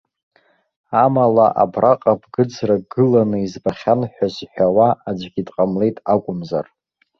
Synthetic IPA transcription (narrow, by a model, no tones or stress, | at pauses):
amalaʔa̰braqʼabʰɡɨd͡zraɡɨlanɨizbaχʲanħʷᶣazħʷᶣawaad͡ʒʷɡʲidqʼamle̞jtʼakʷʼʊmza̰r